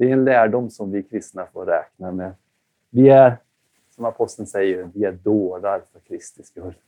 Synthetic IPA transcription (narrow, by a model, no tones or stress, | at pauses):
d̪̥ɛɛnlæːɖʊmːsɔmvɪkʰɾɪst̪nafoːɾɾɛ̰ːknamɛ | vɪæɾ | sɔmapʰɔst̪ənsɛjːəɾvɪæɖ̪oːd̪aɾfœɾkʰɾɪst̪ɪskɵl